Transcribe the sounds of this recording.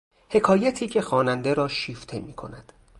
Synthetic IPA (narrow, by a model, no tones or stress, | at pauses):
he̞kʰɒːjæt̪ʰiːcʰe̞xɒːnænd̪eɾɒːʃiːft̪ʰe̞miːkʰo̞̰næd̪̥